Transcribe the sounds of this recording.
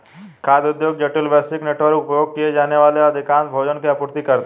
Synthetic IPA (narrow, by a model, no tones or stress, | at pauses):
kʰaːd̪ʊd̪joːɡ̚d͡ʒeʈilʋɛːsɪkneʈʋəɾʊpjoːɡ̚kijed͡ʒaːneʋaːleɐd̪ʱɪkãːnbʱoːd͡ʒənkiapuɾt̪ikɐɾt̪e